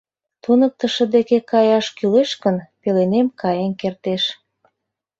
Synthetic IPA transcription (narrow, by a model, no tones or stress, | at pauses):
t̪unək̚t̪ə̆ʃə̆d̪ekekɑjɑʃkyleʃkənpelenemkɑjenkert̪eʃ